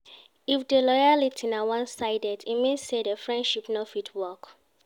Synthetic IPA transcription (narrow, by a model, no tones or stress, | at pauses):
ifdelɔjalitʰinawãnsaɪdɛdimẽsedəfɹɛ̃ndʃipnɔfitʰwɔk